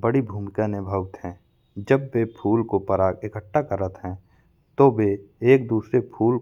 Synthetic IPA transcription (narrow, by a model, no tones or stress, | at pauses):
bəɽibʱuːmkãnɪbʱəʋt̪ɦɛ̃ː | d͡ʒəbːepʰuːlkopəɾaːkɪkəʈːakəɾət̪ɦɛ̃ː | t̪obeeːk̚d̪uːsɾepʰuːl